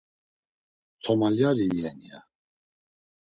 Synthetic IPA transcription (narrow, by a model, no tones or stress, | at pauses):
t̪ʰɔmaljaɾiːɛnia̰